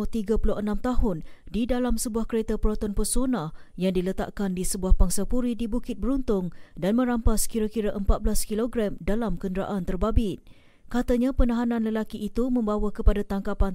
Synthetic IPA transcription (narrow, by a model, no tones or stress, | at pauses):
t̪iɡapulənãmt̪aɦʊn | didalamsəbuahkəɾet̪apəɾɔt̪ɔnpərsonah | jaŋdilət̪a̰ʔkandisəbuahbaŋsapuɾidibukɪt̪̚bəɾunt̪ʊŋdanmə̃ɾampaskiɾakiɾaʔəmpat̪̚blaskiloɡɾamdalamkəndəɾa̰ʔant̪ərbabɪt̪̚ | kat̪aɲapənãɦanãnləlakiʔːt̪umə̃mbawakəpadat̪aŋkapan